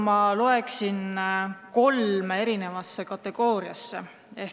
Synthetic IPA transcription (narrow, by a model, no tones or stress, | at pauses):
mɑloe̞ksinko̞lmee̞ɾine̞vɑsːekɑt̪ːˑe̞ɡ̥o̞ːɾiɑsːe | e̞h